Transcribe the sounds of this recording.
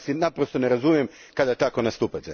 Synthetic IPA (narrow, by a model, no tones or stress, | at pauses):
sinapɾost̪o̞neɾazumijemkad̪at̪akonast̪upat̪e